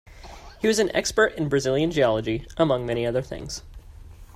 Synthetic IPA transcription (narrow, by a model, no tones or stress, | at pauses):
hiwʌzɨ̃n̩ʔɛ̰kspə˞ɾɨ̃nbɹɨzɪlˠjɨ̃nd͡ʒiɑlˠəd͡ʒiʔəmʌ̃ŋmɛɾ̃iʌðə˞θɪ̰̃ŋz̥